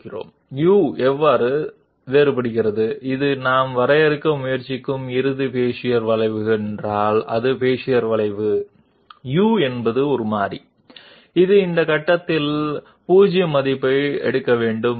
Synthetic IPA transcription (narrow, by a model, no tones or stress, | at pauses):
ɪro̰ːm | juːɛʋːaːɾɯ | ʋeːɾɯpɐɽɯɣɪrɐðɯɪðɯnaːmʋɐɾɐjɛɾɯkːɐmʊjɐɾt͡ʃɪkːɯmɪɾɯðɯpeːʂɪjɐɾʋɐɭɐɪʋɯɣɛndraːlɐ̰ðɯpeːʂɪjɐɾʋɐɭɐɪʋɯ | juːɛnbɐðɯɔɾɯmaːɾi | ɪðɯɪnd̪ɐkɐʈːɐt̪ːɪl | puːd͡ʒɪjɐmɐðɪpːɐɪɛ̰ɽɯkːɐʋeːɳɖɯm